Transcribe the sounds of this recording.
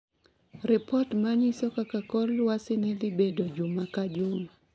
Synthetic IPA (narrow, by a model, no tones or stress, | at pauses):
ɾɛpɔtmaɲisɔkakakɔlwasɪnɛlɪbedod͡ʒʊmakad͡ʒʊma